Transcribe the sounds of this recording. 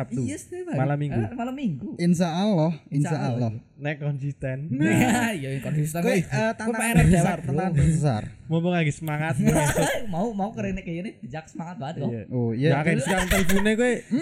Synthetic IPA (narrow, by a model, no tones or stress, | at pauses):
ap̚t̪usbamalamːiŋɡumalamːiŋɡuinʃaʔalːɔhinʃaʔalːɔ | nɛkɔnsist̪ɛn | ijajŋkadust̪akueət̪aaabd͡ʒaaranaəbəs̬a̰rmompɔŋlaɡisəmaŋat̪̚kasmaumaukəɾenɛkəjəneb̥id͡ʒaksəmaŋat̪̚bat̪ɔoijaakasukaɾant̪ələfunekuwe